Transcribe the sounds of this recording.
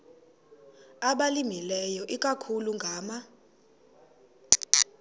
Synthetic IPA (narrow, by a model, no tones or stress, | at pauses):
aɓalimilɛjɔʔikʼakʰuluŋɡʱaːma